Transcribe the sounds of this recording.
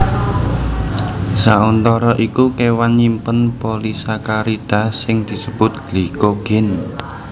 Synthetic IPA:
saunt̪ɔɾɔʔikukewanimpənpolisakaɾid̪̥a̤sɪŋd̪̥i̤səb̥ʊt̪̚ɡ̥likoɡ̥ɪn

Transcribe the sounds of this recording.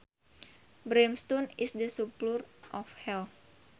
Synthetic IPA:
bɾemst̪ɔnɪsdəsuplurʔɔfhɛl

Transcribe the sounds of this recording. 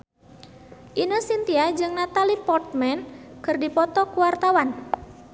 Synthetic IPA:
ʔinosint̪iad͡ʒɨŋnat̪alipɔrt̪̚mɛnkɨrdipɔt̪ɔkuwart̪awan

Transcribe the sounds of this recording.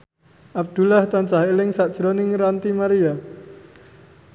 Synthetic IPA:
ʔab̚d̪̥ṳlaht̪ɔnt͡ʃahelɪŋsad̥ʒ̥ɾonɪŋɾant̪imaɾia

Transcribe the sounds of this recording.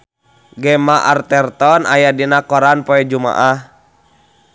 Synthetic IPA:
ɡɛmaʔart̪ɛrt̪ɔnajadinakɔɾanpɔɛd͡ʒuma̰ʔah

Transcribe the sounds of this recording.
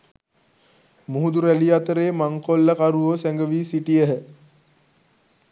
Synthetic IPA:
muɦud̪uɾæliat̪əɾeːmaŋkolːəkaɾuʋosæŋɡəʋiːsiʈijəɦə

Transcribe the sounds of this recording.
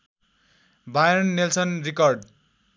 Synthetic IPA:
bajʌnːelsʌnrikʌrɖ

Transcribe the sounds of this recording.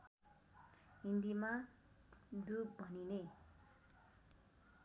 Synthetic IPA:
ɦind̪ima | d̪ubʱʌnine

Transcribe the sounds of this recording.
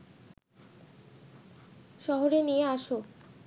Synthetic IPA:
ʃɔɦoɾenijeaʃo

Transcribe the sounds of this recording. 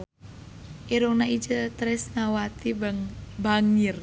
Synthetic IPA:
ʔiɾuŋnaid͡ʒət̪ɾɪsnawat̪ibŋbaŋɪr

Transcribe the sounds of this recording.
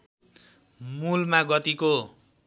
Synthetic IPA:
mulmaɡʌt̪iko

